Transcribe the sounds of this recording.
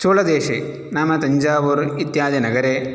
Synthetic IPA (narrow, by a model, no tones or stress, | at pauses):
t͡ʃoːlɐd̪eːʃe | naːmɐt̪ɐɲd͡ʒaːʋuɾit̪jaːd̪ɐnɐɡɐɾe